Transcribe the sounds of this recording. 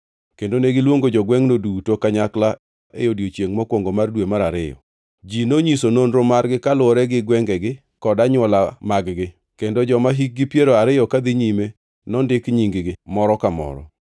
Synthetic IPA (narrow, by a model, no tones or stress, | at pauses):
kendoneɡɪlwoŋɡod͡ʒɔɡwɛŋnodutokaɲakla | ejodjot͡ʃjeŋmɔkwoŋɡomardwemaɾaɾɪjɔ̰ | d͡ʒinoɲisononɾomarɡɪkalʊɔɾɛɡɪɡwɛŋɡɛɡɪ | kɔdaɲwɔlamaɡɡɪ | kendod͡ʒɔmaɦik̚ɡɪpjeɾoaɾɪjɔkad̪ɪɲime | nɔndɪkɲiŋɡɪɡɪmɔɾɔkamɔ̰ɾɔ̰